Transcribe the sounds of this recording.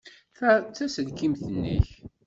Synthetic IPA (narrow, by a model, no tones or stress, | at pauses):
t͡sːæsəlkimθənːḭç